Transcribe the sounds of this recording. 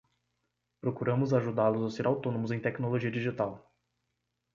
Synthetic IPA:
pɾokuɾɐ̃mʊzaʒud̪aɾlʊzawseɾawt̪õnõmʊzẽj̃t̪ɛknoloʒiɐd͡ʒiʒit̪aw

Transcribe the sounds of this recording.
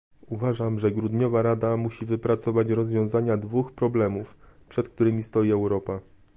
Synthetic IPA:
uvaʐamʐɛɡɾud̪ɲɔvaɾad̪amuɕivɘpɾat̪sɔvat͡ɕɾɔzvʲjɔ̃w̃zaɲad̪vuxpɾɔblɛmufpʂɛt̪k̚t̪uɾɘmʲist̪ɔjiɛwɾɔpa

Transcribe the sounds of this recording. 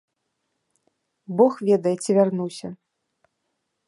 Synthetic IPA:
bɔxvʲɛd̪ɐjɛt͡sʲivʲarnuwsʲɐ

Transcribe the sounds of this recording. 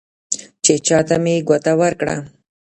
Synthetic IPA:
t͡ʃet͡ʃɑt̪ameɡʷat̪awəɾkɽa̰

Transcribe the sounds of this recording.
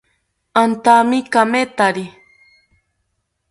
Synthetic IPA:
ant̪amikamet̪aɾi

